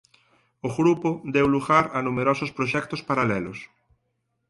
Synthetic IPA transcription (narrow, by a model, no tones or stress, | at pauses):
oɣɾupod̪ewluɣaɾanumeɾɔsospɾoʃɛkt̪ospaɾalɛlo̰s